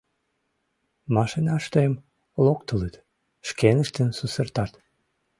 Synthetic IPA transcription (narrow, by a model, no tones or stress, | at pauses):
mɑʃinɑʃt̪oem | lokt̪ələt̪ | ʃkenəʃt̪ənsusərt̪ɑt̪